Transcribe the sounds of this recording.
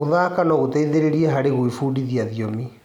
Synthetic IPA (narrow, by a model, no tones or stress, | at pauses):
oðaːkanɔɣot̪ɛiðeɾeɾiɛɦaɾeɣwifuːdiðiaðiɔmi